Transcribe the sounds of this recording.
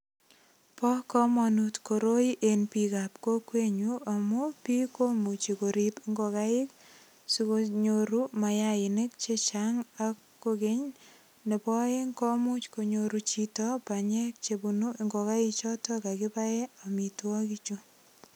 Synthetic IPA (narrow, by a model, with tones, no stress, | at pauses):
pɔ˦kɔ˦manutko˨ɾo˦iʔenpikapko˦kwe˦ɲua˨mupi˦ko˦mu˨t͡ʃi˨koɾipŋɡo˨ka˦ɪ˦k | sikoɲoɾuma˨jaɪnɪ˦k̚t͡ʃet͡ʃaŋakːoke˦ɲ | ne˨pɔ˦e˦ŋkɔ˦mu˦t͡ʃko˨ɲoɾut͡ʃitɔpa˨ɲe˦k̚t͡ʃebu˨nu˦ŋɡo˨ka˦ɪt͡ʃɔ˦tɔ˦ka˨kɪ˦pa˦jɛ˦amitwɔ˦kit͡ʃu˦